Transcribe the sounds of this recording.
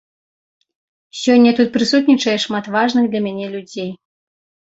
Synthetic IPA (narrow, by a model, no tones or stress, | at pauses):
sʲɔnʲːɐt̪ut̪̚pɾɨsut̪̬nʲit͡ʂɐjɛʂmat̪vaʐnɨɣd̪lʲɐmʲanʲɛlʲud͡zʲej